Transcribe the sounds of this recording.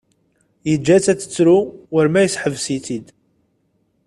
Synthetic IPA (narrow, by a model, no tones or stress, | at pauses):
jəd͡ʒːæt͡sːæt͡sːə̥t͡sːɾuwəɾmæjəsħəvsit͡sid̪